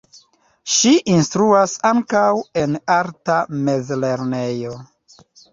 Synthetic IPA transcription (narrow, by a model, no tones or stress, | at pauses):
ʃiʔinstɾuasaŋkawe̞naɾtame̞zle̞ɾne̞jo̞